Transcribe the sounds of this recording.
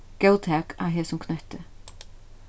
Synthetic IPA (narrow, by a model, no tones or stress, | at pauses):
kjowt̪ʰɛːka̰wɦɛːsʊmkʰnœht̪ɪ